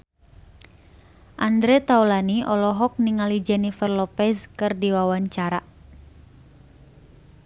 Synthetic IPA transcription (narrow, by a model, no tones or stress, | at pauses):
ʔandɾɛt̪aulaniʔɔlɔɦɔk̚niŋalid͡ʒanifərlɔpɛskɨrdiwawaɲt͡ʃaɾa